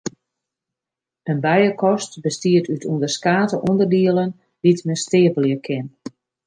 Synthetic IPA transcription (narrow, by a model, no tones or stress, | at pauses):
ənbɛjəkʰɔstbəstiətʰytʰuəndərskaːtəʔundərdiələn | ditmɛsteəvəljəkʰɪn